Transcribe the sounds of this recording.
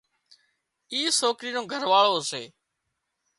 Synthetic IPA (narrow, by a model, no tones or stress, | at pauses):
iːsoːkɾiːnõːɡʱəɾʋaːɭoːɦsḛː